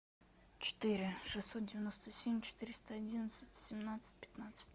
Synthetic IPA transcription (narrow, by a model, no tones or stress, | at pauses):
t͡ɕɪ̥t̪ɨɾʲɪʂɨsːot̪̚dʲɪvʲɪnost̪əsʲemʲt͡ɕɪ̥t̪ɨɾʲɪst̪əɐdʲinət̪sət̪ʲsʲɪmnat̪sɨ̥t̚ʲpʲɪ̥t̪nat̪sɨ̥t̚ʲ